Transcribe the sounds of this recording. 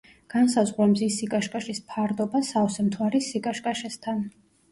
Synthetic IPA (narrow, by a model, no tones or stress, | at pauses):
ɡ̥ansazʁɾɛmzisikʼaʃkʼaʃispʰaɾd̪ɔbasaɔsɛmt̪ʰwaɾisikʼaʃkʼaʃɛst̪ʰan